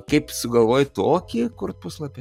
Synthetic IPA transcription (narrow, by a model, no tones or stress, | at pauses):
kɐɪpsʊɡɐlˠʋoːjt̪oːkʲikʊrt̪̚pʊslˠɐpʲɛ